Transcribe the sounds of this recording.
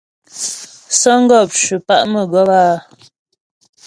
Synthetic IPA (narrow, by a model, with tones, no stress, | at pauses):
sə˦ŋ̩˦ɡɔ˦˨p̚t͡ʃʉ˨pa̰˦˨ʔmə˨ɡɔ˦paː˦˨